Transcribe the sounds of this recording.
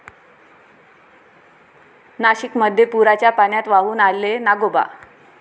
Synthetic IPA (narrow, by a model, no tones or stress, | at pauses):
naɕikməd̪ʱːjepuɾat͡ɕjapanjat̪ʋaɦuːnalːenaɡoba̰